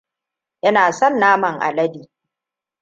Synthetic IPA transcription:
ʔɪ˦naː˨sɔ˦˨nːaː˦mɐ˨ŋʔa̰˨lɐ˦diː˨

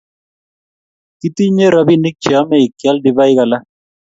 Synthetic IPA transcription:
ki˦t̪i˦ɲe˦ɾɔ˨˦bi˦ni˦k̚t͡ʃjɔ˨˦mɛ˦˨ɪ˨kja˦ldi˨ba˦ɪ˦ka˨la˦

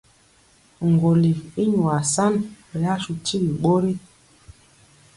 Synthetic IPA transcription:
ŋ˨ɡo˨li˨fi˦ɲu˨a˨sa˦n˨ | ja˦ʃu˨ti˦li˨ɓo˦ɾi˦

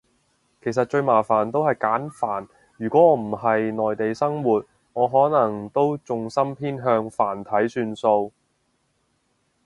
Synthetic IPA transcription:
kʰe˨˩js̬ɐ˨t̚t͡ʃɵ˧ɥmaː˨˩faː˨˩nt̪o˥whɐ˨jkaː˨˥nfaː˨˩n | jyː˨˩kʷɔː˨˥ɔː˨˧˥m̩˨˩hɐ˨jnɔː˨jt̪e˨jsɐ˥ŋwuː˨t̚ | ŋɔː˨˧ɦɔː˨˥nɐ˨˩ŋt̪o˥wt͡sʊ˨ŋsɐ˥mpʰiː˥nɦœː˧ŋfaː˨˩nt̪ʰɐ˨˥jsyː˧nso˧w

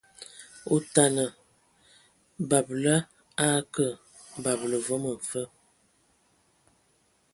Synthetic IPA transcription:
u˦ta˨nə˨ | ba˨blə˦ | a˦kə˦˨ | ba˨b̚lə˨vɔ˦mə˨fə˦

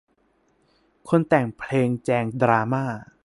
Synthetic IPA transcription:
kʰo˧nt̪ɛː˨˩ŋpʰleː˧ŋt͡ɕɛː˧ŋdɾaː˧maː˥˩

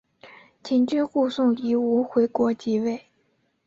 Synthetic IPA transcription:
t͡ɕʰi˨˥nt͡ɕy˥˧ku˥˧sʊ˥˩ŋi˨˩u˧˥xwe˧˥ɪkwɔ˧˥t͡ɕi˧˥we˥˩ɪ

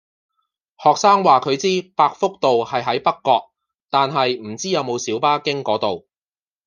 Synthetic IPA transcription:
hɔː˨k̚saː˥ŋwaː˨kʰɵ˨˧ɥt͡siː˥paː˧k̚fʊ˥k̚t̪o˨whɐ˨jɦɐ˨˥jpɐ˥kːɔː˧k̚ | t̪aː˨nɦɐ˨jm̩˨˩t͡siː˥jɐ˨˧wmo˨˧wsiː˨˥wpaː˥kɪ˥ŋkɔː˨˥t̪o˨w

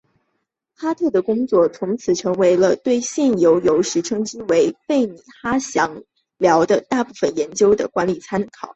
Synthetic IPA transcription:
xa˥t̪ʰɤ˥˩d̪ə˩kʊ˥ŋt͡swɔ˥˩t͡sʰʊ˧˥ŋt͡sʰɹ̩˨˩ʈ͡ʂʰɤ˧˥ŋwe˧˥ɪlə˧t̪we˥˧ɪɕjɛ˥˩njo˧˥ʊjo˧˥ʊʂɻ̩˧˥ʈ͡ʂʰɤ˥ŋʈ͡ʂ̩˥we˧˥ɪfe˥˩ɪni˨˩xa˥ɕjɑ˧˥ŋ | ljɑ˧˥ʊd̪ə˧t̪a˥˧pu˥˩fə˨˩njɛ˧˥nt͡ɕjo˥ʊd̪ə̰˨kwa˧˥nli˨˩t͡sʰa˥nkʰɑ˨˩˦ʊ

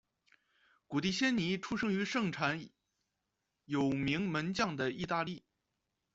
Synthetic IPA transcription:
ku˨˩t̪i˥˩ɕjɛ˥nni˧˥ʈ͡ʂʰu˥ʂɤ˥ŋy˧˥ʂɤ˥˩ŋʈ͡ʂʰa˨˩˥n | jo˨˩ʊmi˧˥ŋmə˧˥nt͡ɕjɑ˥˩ŋd̪ə˩i˥˧t̪a˥˧li˥˩

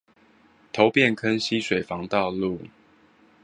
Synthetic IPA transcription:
t̪ʰo˨˦ʊpjɛ˥˨nkʰə˦nɕi˦swe˨˩ɪfɑ˨˦ŋt̪ɑ˥˧ʊlu˥˨

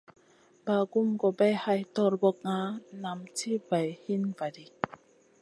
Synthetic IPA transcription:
b̥aː˨ɡu˧˨mkɔ˨bɛ˧˨jha˧jt̪ɔ˧ɾbɔ˧˨k̚ŋa˧˦na˨mt͡sʰi˦va˨jhi˦˥˨nva˨di˧˨

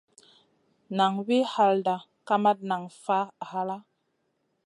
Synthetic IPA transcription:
na˨ŋwi˦ha˦lda˨ | ka˦ma˦t̚na˨ŋfa˦˨ha˦la˦

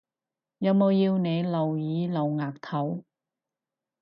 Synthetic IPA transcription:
jɐ˨˧wmo˨˧wjiː˧wne˨˧jlɐ˨˩wjiː˨˥lɐ˨wŋaː˨˩k̚t̪ʰɐ˨˥w

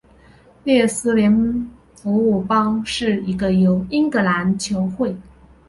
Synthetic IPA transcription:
ljɛ˥˩sɹ̩˥ljɛ˧˥n | pɔ˧˥u˨˩pɑ˥ŋʂɻ̩˥˩i˧˥ɡə˧jo˧˥ʊi˥ŋkɤ˧˥la˧˥nt͡ɕʰjo˧˥ʊxwe˥˩ɪ

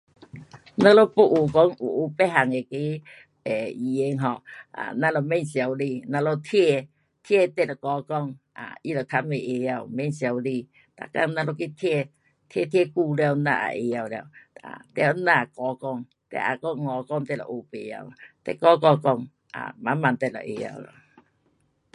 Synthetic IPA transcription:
na˧˨lo˧pu˦˨ʔu˨kɔ˦ŋṵ˨ʔu˨˦pe˦˨ɦa˨˩ŋe˨ke˦ | ɛ˨i˨e˧˦ŋɦɔ˧a̰˨nã˧lo˧˨me˦˧˨nsja˨wli˧˨nã˧lo˧t̪ʰe˧˨ | t̪ʰe˦˧˨t̪ɛ˧˦˨lɔ˨kɔ˧˦kɔ˧˨ŋ | a̰˨i˧˦lo˨t̪ʰa˧˦me˨ʔe˨ja˧˨wme˧˨nsja˧wli˧˨ | t̪a̰˨ka̰˧˨ŋna˧lo˧ki˧˦t̪ʰɛ˥˧˨ | t̪ʰjɛ˥˧˨t̪ʰjɛ˧˨ku˧lja˧˨wna̰˧ʔa̰˨ʔe˨ja˧wlja˧wa̰˨t̪ɛ˧˦nã˧˨kɔ˨˦kɔ˧˨ŋ | t̪ɛ̰˧˨ʔa̰˨kɔ˧˨ŋŋɔ˨kɔ˧˨ŋt̪ɛ˧˨lɔ̰˨ʔo˨pe˧˨ja̰˧˨wt̪ɛ̰˧˨kɔ˧˦kɔ˧˨kɔ˧ŋ | a̰˨mã˨˦mã˨nt̪ɛ˧˨lɔ̰˨ʔḛ˨˧ja̰˧˨lɔ̰˨

